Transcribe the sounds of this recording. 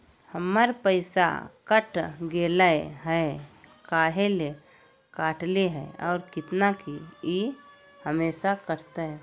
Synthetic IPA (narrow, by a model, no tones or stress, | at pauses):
həməɾpəɪsa̰kəʈɡeːləɦɛkaːɦele | kaːʈleɦɛ̰ɔ̰ːɾkɪt̪nakii | həmeːʃakəɾt̪aɦɛ